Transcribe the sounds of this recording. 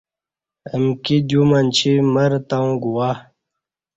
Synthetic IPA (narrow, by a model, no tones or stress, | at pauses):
əmkid͡ʑumant͡ɕʰiməɾt̪aũɡuwa